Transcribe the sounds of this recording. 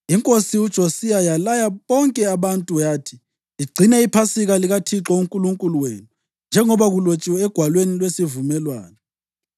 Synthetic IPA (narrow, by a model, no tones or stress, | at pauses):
iŋkʼosiud̥ʒ̥ʱosijajalajaβɔŋkʼɛaβantʼujaːtʰi̥ | iɡ͡ǀʱinɛipʰasiɣaliɣatʰiǁɔuŋkʼuluŋkʼuluweːnu | nd͡ʒʱɛŋɔβaɣulot͡ʃʼiwɛɛɡ̥ʱwalwenilwesivumɛlwa̰ːnɔ